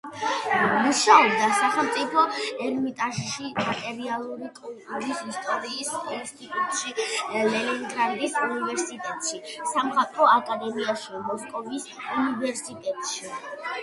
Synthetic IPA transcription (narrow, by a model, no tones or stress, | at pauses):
muʃaɔb̚d̪asaχɛlˠmt̪sʼipʰɔɛɾmit̪ʼaʃiʃit̪ʼɛɾialˠuɾikʼult̪ʼuɾisist̪ʼɔɾiːsɛnst̪ʰʼit̪ʼut̪ʼʃilɛliŋɡɾaɾd̪isunivɛɾsit̪ʼɛt̪ʼʃisamχat̪ʼɾɔakʼad̪ɛmiaʃimɔskʼɔvisunivɛɾsit̪ʼɛt̪ʼʃi